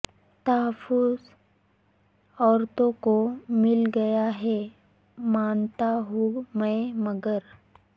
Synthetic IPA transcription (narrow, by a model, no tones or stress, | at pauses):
t̪ɐɦəfːʊz | ɔːɾt̪õkomɪlɡɐjaɦɛ | maːnt̪aɦumə̃mɐɡəɾ